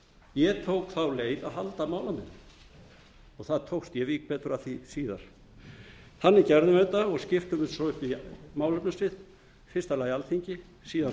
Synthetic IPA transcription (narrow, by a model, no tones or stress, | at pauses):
jɛt̪ʰowkθawleːjðaðɦalt̪amaːwlamɛnː | ɔɣθaðt̪ʰowkst̪jɛviːk̚pɛːt̪ʏɾaθisiːða̰ɾ̥ | θanːɪcɛɾðʏmɛt̪aɔɣscɪft̪ʏmɪnsɔʏhpimaːwlapnansɪð | fɪɾ̥st̪alaːjalθʰiɲcɪ | siːða